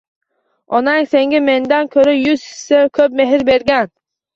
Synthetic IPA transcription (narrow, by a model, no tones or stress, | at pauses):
ɒnaŋse̞ŋɡʲame̞nd̪ankʲʰɵɾajʊzɪ̥sɪkʰɵp̚me̞ɦɪɾbe̞ɾɡʲan